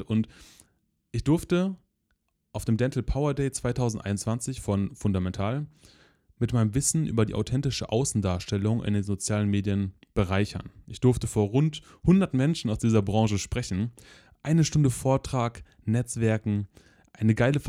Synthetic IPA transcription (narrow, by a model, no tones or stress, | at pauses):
ʔʊnt | ʔɪçd̥ʊɐftə | ʔaʊfd̥eːmdɛntl̩pʰaʊɐdeɪt͡sv̥aɪtʰaʊzn̩tʔa̰ɪnʊnt͡sv̥ant͡sɪçfɔnfʊndamɛntʰaːl | mɪtmaɪnəmvɪsn̩ʔy̰ːbɐdḭːʔa̰ʊtʰɛntɪʃəʔaʊsn̩daːɐʃtɛlʊŋʔɪ̰ndeːnzot͡sjaːlənmeːdiənb̥əʁaɪçɐ̰nʔɪçd̥ʊɐftəfoːɐʁʊnt | hʊndɐtmɛnʃn̩aʊsd̥iːzɐbʁɑ̃ŋʃəʃpʁ̥ɛçn̩ | ʔaɪnəʃtʊndəfoːɐtʁ̥aːk | nɛt͡sv̥ɛɐkŋ̩ | ʔaɪnəɡaɪləf